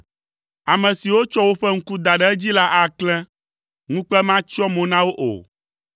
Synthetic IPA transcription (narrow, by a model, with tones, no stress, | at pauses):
a˨mɛ̃˨si˨wo˦t͡ʃɔ˦wo˦ɸɛ˦ŋ̩˦ku˦d̪a˨ɖɛ˦ɛ˦d͡ʑi˦la˦ʔa˨klɛ̃˦ | ŋũ˦k͡pɛ˦mã˦t͡ʃɔ˦mõ˨nã˦wo˦ʔo̰˨